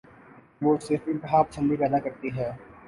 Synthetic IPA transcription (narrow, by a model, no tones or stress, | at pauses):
ʋoːsɪɾfɪ̃nt̪ɦaːpt͡ʃʰə̃nd̪ipɛːd̪akɐɾt̪iɦɛː